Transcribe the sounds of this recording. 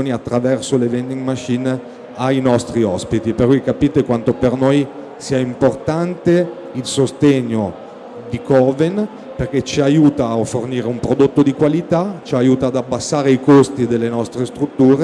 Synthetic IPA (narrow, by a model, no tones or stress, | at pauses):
oːniat̪ːɾavɛrsolevɛnd̪iŋɡmat͡ʃːin | ajnɔst̪ɾiɔspit̪iperkujkːapiːt̪ekwant̪opernoj | siːaimport̪ant̪e | ilsost̪eɲːo | d̪ikɔven | perk̟et͡ʃiajuːt̪aofːorniːɾeumpɾod̪ot̪ːod̪ikwalit̪at͡ʃiajuːt̪aːd̪abːasːaːɾeikost̪id̪elːenɔst̪ɾest̪ɾut̪ːuːɾe